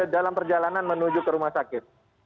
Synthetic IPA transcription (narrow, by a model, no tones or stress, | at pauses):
dalampərd͡ʒalananmənud͡ʒukəɾumahsakɪt̪̚